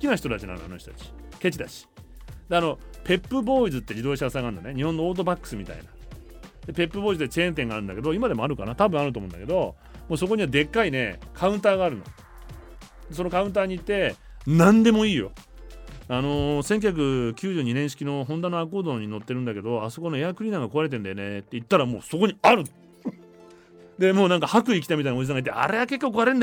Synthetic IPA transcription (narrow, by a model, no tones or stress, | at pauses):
kʲinaçi̥t̪o̞t̪at͡ɕinã̰no̰a̰noç̥ʲit̪ot̪at͡ɕi̥ke̞t͡ɕid̪aɕi̥d̪eano̞pe̞pːɯ̟bo̞ːizɨt̪ːe̞d͡ʑid̪o̞ːɕaasaɡãnd̪aneɲ̟ihõ̞nːooːt̪̬o̞bakːɯ̥sɨmʲit̪a̰ḭna | d̪epe̞pːɯbo̞ːizɨt̪ːese̞ːẽnt̪̬ẽ̞ŋɡaɾɯ̟nd̪a̰ke̞d̪o̞imad̪e̞moaɾɯ̟kanat̪abɯ̟̃aɾɯt̪omõːnd̪a̰ke̞d̪o̞ | moːso̞ko̞ɲ̟iβad̪e̞kːaine̞̰kʰaɯ̟̃nt̪aːɡaːɾɯ̟no̰ | d̪e̞so̞nokaɯ̃nt̪̬aːɲ̟iːt̪ːe̞nãnd̪e̞mo̞iːjo̞̰ | ano̞sẽŋk̬ʲjçak̬ɯ̟kʲɨːʑɨːɲ̟inẽ̞ɰ̃ɕ̬i̥kʲino̞ɦõ̞nd̪anːoakoːd̪oɲ̟ːino̞t̪ːe̞ɾɯ̟nd̪ake̞d̪o̞aso̞ko̞no̞e̞akɯɾʲiːnãŋɡako̞aɾe̞t̪ẽ̞nd̪ajone̞t̪ːeit̪ːaɾamo̞ːso̞ko̞ɲiaɾɯ̟ | d̪e̞moːnãŋkahakɯ̟ik̬ʲi̥t̪amʲit̪ainao̞d͡ʑis̬ãŋɡait̪ːea̰ɾe̞ake̞kːoːkoaɾend̪a